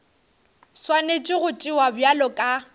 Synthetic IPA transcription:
swanet͡ʃʼɪɣʊtʼiwabjalɔkʼa

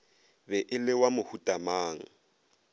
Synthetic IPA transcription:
bɛʔɪlɪwamʊhutʼamaːŋ̩

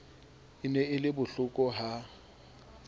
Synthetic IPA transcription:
ɪnɛɪlɪbʊɬʊkʼɔɦa

